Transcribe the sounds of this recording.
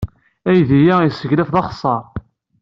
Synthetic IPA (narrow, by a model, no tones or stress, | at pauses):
æjðijæjsəʝlæfðɑχsˤːɑɾ